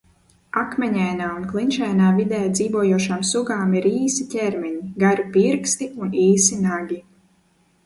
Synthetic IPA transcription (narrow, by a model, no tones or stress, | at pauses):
akmʲɛɲajnaːunklˠinʃɛjnaːvid̪ɛːd̪ziːvuɔjuɔʃaːmsuɡaːmiɾiːsicʲɛɾmʲɛɲiɡaɾupiɾkst̪iuniːsinaɡʲi